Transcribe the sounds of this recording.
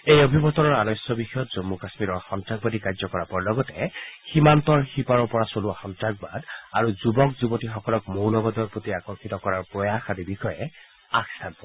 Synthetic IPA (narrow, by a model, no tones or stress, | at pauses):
ejɔbʱibɔt̪ɔnɔɹanɔjsjɔbixɔjɔt̪z̥omːukasmiɾɔɹxɔntɹaɡ̚bad̪ikazɔkɔɹapɔɹlɔɡɔtɛhimant̪ɔɹxipaɹɔɹpɔɹasoluaxɔntɹaɡ̚bad̪aɹuzubɔkzubɔtixɔkɔlɔkmownɔbɔd̪ɔɹpot̪iakɔŋxʰit̪ɔkɔɹaɹpɹɔjaxad̪ibixɔjɛ | akst̪ʰanpɔ